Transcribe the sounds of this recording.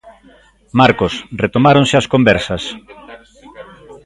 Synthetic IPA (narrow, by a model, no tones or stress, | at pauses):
maɾkosret̪omaɾõnsɪaskombɛɾsɐs